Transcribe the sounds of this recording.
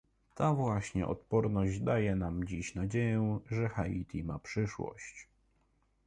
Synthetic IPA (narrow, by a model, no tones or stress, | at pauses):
t̪avwaɕɲɛ̰ʔɔ̰t̪pɔɾnɔʑd͡ʑd̪ajɛnamd͡ʑiɕnad͡ʑejɛʐɛxait̪ʰʲimapʂɘʂwɔ̰ɕt͡ɕ